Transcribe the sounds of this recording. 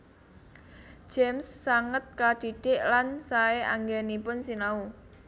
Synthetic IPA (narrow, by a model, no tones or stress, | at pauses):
d͡ʒ̥ɛmsːaŋət̪̚kad̥i̤ɖ̥ɪʔlansaeaŋɡɛnipʊnsinau